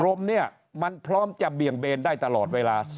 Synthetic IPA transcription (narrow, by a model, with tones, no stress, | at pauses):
ɾo˧mni˥˩ɐ | ma˧npʰɾɔː˦˥mt͡ɕa˨˩bi˨˩əŋbeː˧ndaː˥˩jt̪a˧lɔː˨˩t̪̚weː˧laː˧s